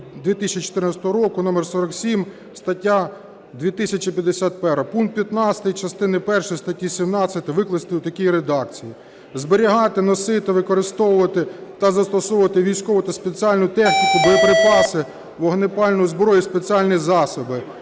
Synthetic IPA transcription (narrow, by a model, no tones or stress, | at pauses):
d̪ʋʲit̪isʲt͡ʃit͡ʃɔ̥t̪ɪrnɐt͡sʲɛ̥t̪ɔɦɔɾɔkʊnɔmɛrsɔɾɐksʲim | st̪ɐtʲːa | d̪ʲʋʲit̪ɪsʲɐt͡ʃipʲjɐd̪ːesʲat̪̚pɛɾɐpuŋkt̪̚pʲjɐt̪nɑt͡sʲsʲɐ̥t̪ɐjit͡ʃɐst̪ɪnɪpɛrʃɔjst̪ɐtʲːisʲimnɑt͡sʲːɐt̪ʲɪʋɪklˠɐst̪ɪut̪ɐkʲijɾed̪ɑkt͡sʲiji | zbeɾʲiɦɑt̪ɪnɔsɪt̪ɪʋɪkɔɾɪst̪ɔwʊʋɐt̪ɪt̪ɐzɐst̪ɔsɔʋʊʋɐt̪ɪʋʲijsʲkɔʋʊɐt̪ɐspet͡sʲiɑlʲnʊt̪ɛxnʲikʊbɔjɐpɾɪpɑsɪ | ʋɔɦnɪpɑlʲnʊjzbɾɔjispet͡sʲiɑlʲnʲijzɑsɔbɪ